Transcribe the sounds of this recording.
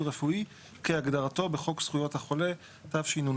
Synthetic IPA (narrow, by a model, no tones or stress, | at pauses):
ʁefui | keaɡdaʁato̞be̞χo̞ksχujo̞thaχo̞le̞ | tavʃinun